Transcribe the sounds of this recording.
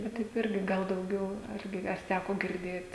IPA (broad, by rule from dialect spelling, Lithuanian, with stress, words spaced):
ˈʋɐ tɐɪp ˈɪrʲɡʲɪ ˈɡɐlˠ dɐʊˈɡʲɛʊ ˈɐrʲɡʲɪ ɐr ˈtʲækoː ɡʲɪrʲˈdʲeːt